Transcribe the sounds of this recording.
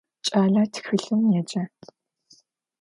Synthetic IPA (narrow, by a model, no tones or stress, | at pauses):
t͡ʃʼaːɮatʰxɨɬɨmjed͡ʒɐ